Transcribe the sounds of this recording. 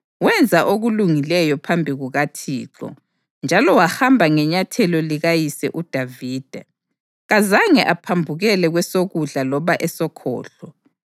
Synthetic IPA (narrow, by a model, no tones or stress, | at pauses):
wɛnd͡zʱaʔoɣuluŋilɛjɔpʰambʱiɣuɣatʰḭːǁɔ̰ | nd͡ʒʱalɔwahambʱaŋɛɲatʰɛlɔliɣajisɛ̰ʔud̥ʱaviːd̥ʱa | ɣazaŋɛʔapʰambʱuɣɛlɛɣwɛsoɣuɮalɔβaʔɛsɔkʰɔ̰ːɬɔ